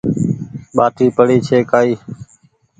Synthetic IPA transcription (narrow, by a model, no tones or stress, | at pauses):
ɓaːʈiːpəɽiːt͡ʃʰeːkaːiː